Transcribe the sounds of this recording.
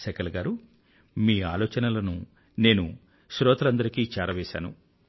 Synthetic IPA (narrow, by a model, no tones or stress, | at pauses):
sɛkɐlɡaːɾu | miːaːlɔːt͡ʃɐnɐlɐnu | ne̞ːnu | ʃɾɔːt̪ɐlɐnd̪ɐɾikiːt͡ʃaːɾɐʋɛːʃa̰ːnṵ